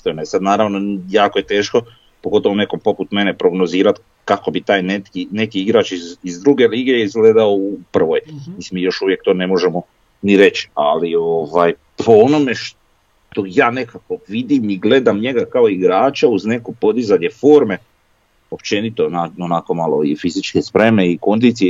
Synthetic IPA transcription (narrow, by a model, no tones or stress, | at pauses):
st̪enoesad̪naːɾaʋnojaːkoje̞t̪e̞ːʃko̞ | poɡo̞t̪o̞ʋone̞ko̞mpo̞put̪me̞nepɾo̞ɡnoziːɾat̪ | kako̞bit̪aːjnet̪kine̞kiiɡɾaːt͡ʃizizd̪ɾuɡe̞liːɡeizɡled̪aoupr̩ʋo̞jmisimiːjo̞ʃuʋje̞k̚t̪o̞ːne̞mo̞ʒemo̞ | niɾe̞t͡ʃi̥a̰lio̞ʋaj | pʰo̞ono̞me̞ʃ | t̪o̞jaːne̞kako̞ʋid̪imiɡle̞d̪amɲe̞ɡakao̞iɡɾaːt͡ʃauzne̞ko̞po̞d̪izaɲe̞fo̞ːɾme̞ | o̞pt͡ʃenit̪onaonako̞malo̰ifizit͡ʃkespɾe̞me̞iko̞nd̪iːt̪sije